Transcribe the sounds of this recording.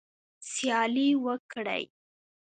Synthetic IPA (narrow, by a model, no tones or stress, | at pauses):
sjɑliwəkɽə̰j